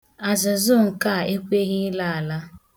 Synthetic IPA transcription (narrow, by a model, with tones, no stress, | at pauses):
a˨zɪ˨zʊ˦ŋ̩˨ka˦˨e˦kʷe˦ɣɪ˦la˦a˨la˦